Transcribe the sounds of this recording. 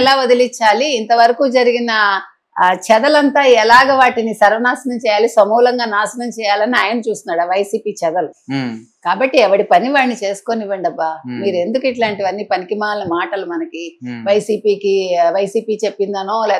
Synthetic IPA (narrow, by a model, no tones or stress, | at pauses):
laːod̪ilit͡ʃːaːliːnt̪ɐʋɐɾɐkuːd͡ʒɐɾiɡinɐ | t͡ʃɛd̪ɐlɐnt̪aːɛlaːɡɐʋaːʈinisɐɾʋɐnaːsɐnɐmt͡ʃɛːjaːlisɐmuːlɐŋɡaːnaːsɐnɐmt͡ʃɛːjaːlɐnːiaːjɐnɐt͡ʃuːst̪unːaːɽaʋɐjsiːpiːt͡ʃɛd̪ɐlu | kaːbɐʈːiɛʋɐɽipɐniʋaːnːit͡ʃe̞ːsu̥ko̞niʋɐɳɖɐbːaːmiːɾue̞nd̪ukiʈlaːɳʈiʋɐnːipɐnikimaːnnɐmaːʈɐlumɐnɐkiʋɐjsiːpiːkiʋɐjsiːpiːt͡ʃe̞pːind̪aːnoːlɛː